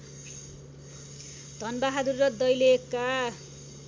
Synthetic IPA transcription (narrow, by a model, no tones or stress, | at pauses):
d̪ʌnbaɦad̪urːʌd̪ʌjleka